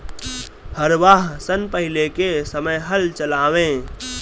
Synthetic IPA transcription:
həɾʋaːɦsənpəɦɪlekesəməjɦəlt͡ʃəlaːʋẽː

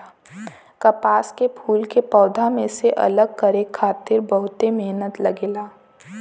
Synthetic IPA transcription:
kɐpaːskepʰuːlkepɔːd̪ʱamẽseʔɐ̰ləɡ̚kɐɾeːkʰːaːt̪ɪɾbɐɦʊt̪emeɦnət̪lɐɡeːlaː

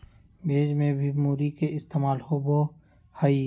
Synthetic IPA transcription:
beːd͡ʒmẽbʱimuːɾikeɪst̪eːmaːlhobo | haiː

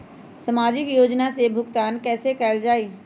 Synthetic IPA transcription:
sɐmaːd͡ʒɪkjoːd͡ʒnasebʱʊkt̪aːnkɛːsekɛːld͡ʒaːiː

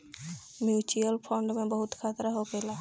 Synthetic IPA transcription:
mjuːt͡ʃuəlpʰɔ̃ːɳɖmẽbəɦʊt̪kʰaːt̪ɾaɦoːkeːlaː

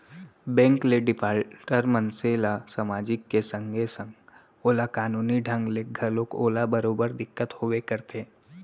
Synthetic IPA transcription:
bɛ̃ːŋkleɖɪpʰaːlʈəɾmɐnselasamaːd͡ʒɪkːesə̃ŋɡʱesə̃ŋɡ | oːlakaːnuːniɖʱɐ̃ŋɡleɡʱɐlõkoːlabɐɾoːbəɾd̪ɪkːət̪hoʋekɐɾt̪ʰeː

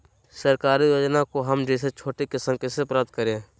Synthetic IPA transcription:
səɾkaːɾijoːd͡ʒnakoɦəmd͡ʒeːset͡ʃʰoːʈekɪsəmkɪsepɾap̚t̪̚kəɾẽː

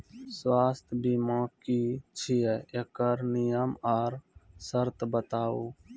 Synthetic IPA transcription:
swaːst̪ʰbiːmãːkiːt͡ʃʰijeːekəɾnɪjəmaːɾsəɾt̪bət̪aːuː

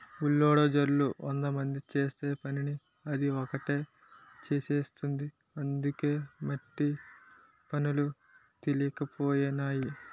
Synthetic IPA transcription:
ulːoːɽod͡ʒɐɾluʔɐnd̪ɐmɐnd̪it͡ʃe̞ːst̪e̞ːpɐnini | ɐd̪iɔkɐʈe̞ː | t͡ʃeːseːst̪und̪i | ɐnd̪uke̞ːmɐʈːi | pɐnulu | t̪ilikɐpo̞ːjɐnaːji

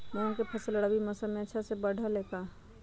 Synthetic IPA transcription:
mɛ̃ʊnkepʰəsələɽabiməsamẽətːʃʰasebəɽʱəleːk̪aː

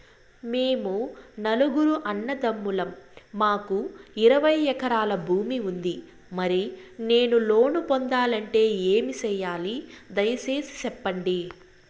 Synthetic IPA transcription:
meːmunɐluɡuɾuʔɐnːɐd̪ɐmːulɐmːaːkuiɾɐʋɐjɛkɐɾaːlɐbʱuːmiund̪i | mɐɾine̞ːnulo̞ːnupond̪aːlɐɳʈe̞ːe̞ːmit͡ʃɛjːaːlid̪ɐjɐseːsi̥t͡ʃɛpːɐɳɖi

